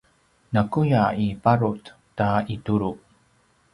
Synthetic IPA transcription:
nakujaipaɾut | taituɾu

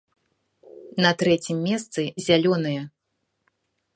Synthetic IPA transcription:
nɐt̪ɾɛt͡sʲimːʲɛst̪sɨzʲalʲɔnɨjɐ

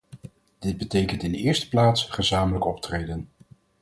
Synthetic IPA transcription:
d̥ɪd̚bətejkəntɪndɪːɹstə̥plaːtsχəzaːmələkɔp̚trejdən

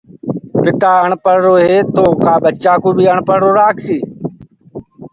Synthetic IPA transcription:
pɪt̪aːəɳpəɾɾoːɦeːt̪oːkaːbət͡ʃaːkoːbʱiːəɳpəɾɾoːɾaːkʰsiː

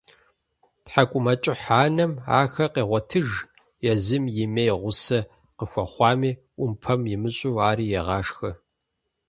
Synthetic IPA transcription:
tħakʷʼʊmɐt͡ʃʼɪħaːnɐma̰ːxɐqeːʁʷɔtʰɨʒ | jɛzɨmjɪmejʁʷʊsɐ | qəxʷɐχʷɑːmiː | ʔʷʊmpʰɐmjɪmɨɕʼuːaːɾiːjɛʁɑːʂxɐ

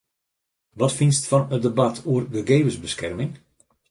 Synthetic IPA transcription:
ʋɑtfinstfɑnədəbatʰuərdəɡejvəzbəskɛrmɪŋ

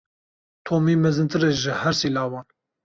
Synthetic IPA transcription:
t̪ʰoːmiːmɛzɨnt̪ʰɨɾeʒɨhɛɾsiːlɑːwɑːn

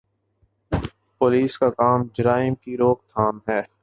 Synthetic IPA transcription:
poːliːskakaːmd͡ʒəɾaːɪmkiɾoːk̚t̪ʰaːnɦɛː

